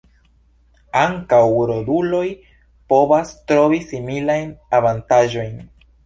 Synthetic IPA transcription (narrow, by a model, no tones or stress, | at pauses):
aŋkawɾodulo̞j | po̞vastɾo̞visimilajnavantaʒo̞jn